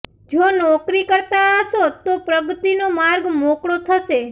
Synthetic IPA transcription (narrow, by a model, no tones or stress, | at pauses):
d͡ʒonɔkɾikəɾt̪aəʃot̪opɾəɡət̪inomaɾɡmokɽot̪ʰəʃe